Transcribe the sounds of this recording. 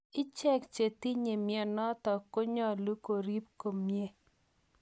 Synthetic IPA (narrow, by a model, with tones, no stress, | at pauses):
ɪ˦t͡ʃɛ˦kt͡ʃe˨ti˦ɲe˨mjɛ˨nɔ˦tɔ˨ko˦ɲɔ˦˨lu˦ko˨ɾi˦p̚ko˨mje˦